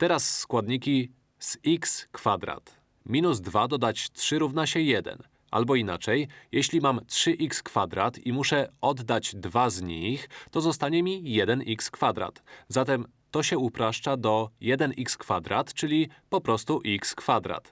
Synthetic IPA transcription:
t̪ɛɾasːkwad̪ɲikʲi | sikskfad̪ɾa̰t̪ | mʲinuzd̪vad̪ɔd̪at͡ɕtʂɘɾuvnaɕɛjɛd̪ɛ̰n | ʔa̰lbɔina̰t͡ʂɛjjeɕlʲimamtʂɘʔikskfad̪ɾa̰t̪imuʂɛɔd̪ːad͡ʑd̪vazɲixt̪ɔzɔst̪aɲɛmʲijɛd̪ɛnʔikskfad̪ɾa̰t̪zat̪ɛm | t̪ɔɕɛupɾaʂt͡ʂad̪ɔjɛd̪ɛnikskfad̪ɾat̪t͡ʂɘlʲipɔpɾɔst̪uʔikskfad̪ɾa̰t̪

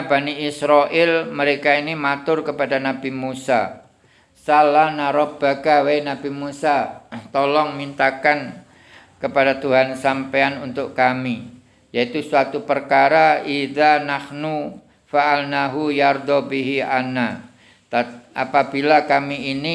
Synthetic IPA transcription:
baniɪsɾɔʔɪlməɾekainimat̪ʊrkəpadanabimusa̰ | salahnaɾɔp̚b̥aɡawajnabimusat̪olɔŋmint̪akan | kəpadat̪uɦansampeanunt̪ʊʔkami | jait̪usuat̪upərkaɾaiðanahnu | faʔalnaɦujard̪ɔbiɦiʔa̰na | t̪aa̰pabilakamiːni

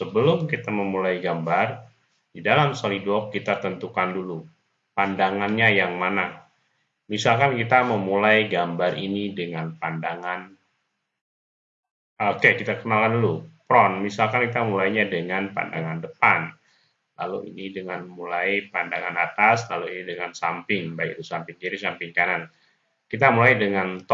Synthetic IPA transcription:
səbəlʊmkit̪aməmulajɡambar | didalamsɔlidɔkːit̪at̪ənt̪ukandulu | pandaŋanɲajaŋmana | misalkankit̪aməmulajɡambarinidəŋanpandaŋan | okekit̪akənalkandulupɾɔnmisalkankit̪amulajɲadəŋanpa̰nda̰ŋandəpan | la̰luḭnidəŋanmulajpandaŋanat̪aslaluinidəŋansampɪŋbaikdusampɪŋd͡ʒiɾisampɪŋkanan | kit̪amulajdəŋant̪

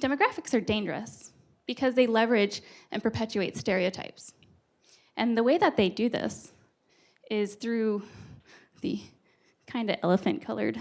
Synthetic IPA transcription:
d̥ɛmɨɡɹæfɨksə˞dẽɪ̃nd͡ʒə˞ɨ̰s | b̥ɨkʰʌzðeɪlɛvə˞ɪd͡ʒʔɨ̰̃npʰə˞pʰɛt͡ʃʉeɪtstɛɹiɨʊtʰa̰ɪps | ʔɨ̃nðəweɪðɨt̪̚ðeɪdɨðɪ̰s | ɪz̥θɹʉ | ðḭ | kʰãɪ̃ndʌɛ̰lˠəfɨ̃nkʰʌlˠə̰˞d̥

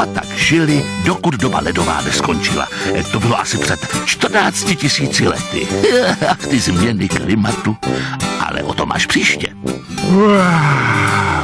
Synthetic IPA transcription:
ʔat̪akʃɪlɪdokud̪doba̰lɛdo̞va̰ːnɛsko̞nt͡ʃɪ̰la̰t̪o̞bɪlo̞ʔasɪpr̝̥ɛt̪t͡ʃt̪r̩naːt͡scɪcɪsiːt͡sɪlɛ̰t̪ɪ̰at̪ɪzmɲɛnɪklɪmat̪uʔa̰lɛ̰ʔot̪omʔa̰ːʃpr̥iːʃcɛ

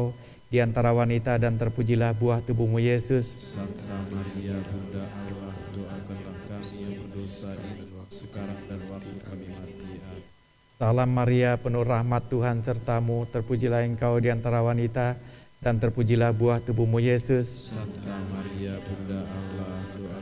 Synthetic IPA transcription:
diant̪aɾawanit̪adant̪ərpud͡ʒilahbuaht̪ubuhmujesʊssant̪amaɾiabundaʔalaht̪uakəndakanjaŋbədosaisəkaɾaŋdanwakiabimat̪iɦat̪ | salamːaɾiapənurahmat̪ːuɦansərt̪amut̪ərpud͡ʒilahəŋkaudiant̪aɾawanit̪adant̪ərpud͡ʒilahbuaht̪ubuhmujesʊssant̪amaɾiabudaalat̪u

